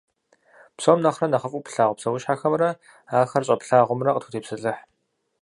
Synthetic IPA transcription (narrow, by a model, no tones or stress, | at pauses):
psomnɐχrɐnɐχəfʼupɬaːʁʷʊpsɐwʊʃħaːxɐmrɐ | aːxɐrɕʼɐpɬaːʁʷʊmrɐqʼətʰu̥tʰeːpsɨɬʼɨħ